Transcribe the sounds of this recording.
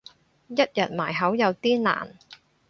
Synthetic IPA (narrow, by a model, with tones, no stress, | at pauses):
jɐ˥t̚jɐ˨˩t̚maː˨˩jɦɐ˨˥wjɐ˨˧wt̪iː˥na̰ː˨˩n